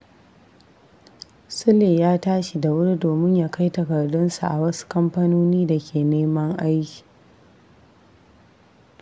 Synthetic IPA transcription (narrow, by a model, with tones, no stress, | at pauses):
sʊ˦leː˨jaː˦taː˦ʃi˨da˨wʊ˦ɽi˦doː˨mɪ˦ɲjaː˦ka˦jtɐ˨kɐ˨rdʊ˦nsu˨ʔa̰˨wɐ˦su̥˦kɐ˦mɸɐ˦noː˦niː˦da˨kʲʰeː˨neː˦mɐ˦ŋʔa˦jkʲi̥˨